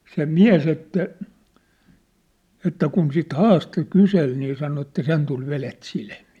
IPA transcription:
se miæ̝s etːæ etːæ kun sit hɑːsto kysel niː sɑno etːæ sen tul ʋelet silmiː

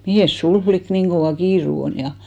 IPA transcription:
miheˑs sul flik niːŋ ɡ̊oʋɑˑ kiːru on jɑ

